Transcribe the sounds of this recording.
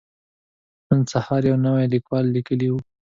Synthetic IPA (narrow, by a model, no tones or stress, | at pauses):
mənsahɑɾjawnawajlikwɑlːikəliwu